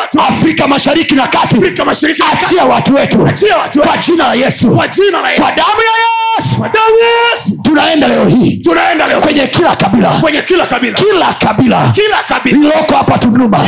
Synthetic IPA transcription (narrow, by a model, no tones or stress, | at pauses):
afɾikamaʃaɾikinakatiikmaɾat͡ʃiawatuwɛtut͡ʃawatkwad͡ʒinalajɛsukwad͡ʒinalajɛkwaɗamujajɛsu | sutunaɛndalɛɔhiːtunaɛndakwɛɲɛkilakaɓilawɛɲɛkilaailkilakaɓilakilakainilɔkɔhapatunuma